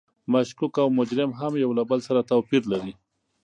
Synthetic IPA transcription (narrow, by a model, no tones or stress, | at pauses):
maʃkukawmʊd͡ʒɾɪmɦamjawlabəlsaɾat̪awpiɾlaɾi